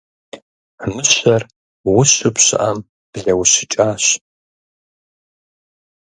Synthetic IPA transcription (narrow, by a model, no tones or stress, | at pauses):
nɨʃʷar | wʊʃʷɨpʰɕʷɨ̰ʔam | b̥ɮɐwʃɪt͡ʃʼaːɕʷ